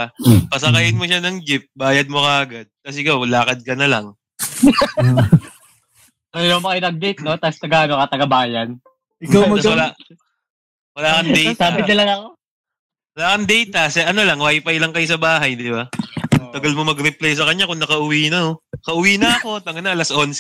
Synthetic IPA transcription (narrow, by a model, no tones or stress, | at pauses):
pɐsɐkɐjɪnmo̞ʃanɐŋd͡ʒɪp̚baːjɐd̪̚mokɐʔɐɡɐd̪̚kɐsɛɪkawlaːkɐd̪̚kɐnɐlɐŋ | ɾjomɐkɪnɐɡ̚d̪ejt̪̚no̞t̪ast̪ɐɡaanokɐt̪ɐɡɐbaːjɐn | ɪat̪awɐla | wɐlaːkɐnɛjtaːbɪt̪ɐlɐɡako | wɐlaːkɐnd̪ɛjt̪ɐsɛʔɐno̞lɐŋwaːjpɐjlɐŋkɐjos̬ɐbaːɦɐjd̪ɪbaɐt̪ɐɡɐlmomɐɡɾɪplajs̬ɐkɐɲːakʊŋnɐkɐʔʊwiːnɐnokɐʔʊwiːnɐɐko̞t̪ɐŋɐnɐʔɐlɐsʔons